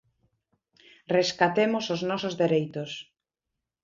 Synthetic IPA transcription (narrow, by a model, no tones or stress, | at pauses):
reskat̪emosoznɔsozðeɾejt̪ʊs